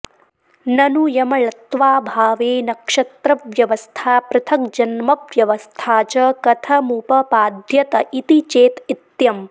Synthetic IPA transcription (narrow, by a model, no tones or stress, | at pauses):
nɐnujɐmɐɭɐt̪ʋaːbʱaːʋeːnɐkʂɐt̪ɾɐʋjɐʋɐst̪ʰaːpɾɐt̪ʰɐkd͡ʒɐnmɐʋjɐʋɐst̪ʰaːt͡ʃɐkɐt̪ʰɐmuːpɐpaːd̪ʱjɐt̪ɐʔit̪it͡ʃeːt̪it̪jɐm